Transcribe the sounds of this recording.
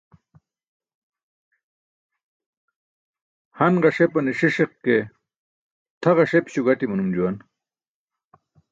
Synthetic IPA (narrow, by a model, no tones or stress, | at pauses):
hɐnɢɑʂepɐniʂiʂeqke | t̪ʰɐʁɑʂepɕuɡɐʈimunumd͡ʑuwan